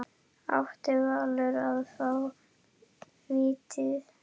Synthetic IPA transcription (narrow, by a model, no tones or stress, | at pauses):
a̰wht̪ɪɣalːʏɾaðθaw | viːt̪ɪð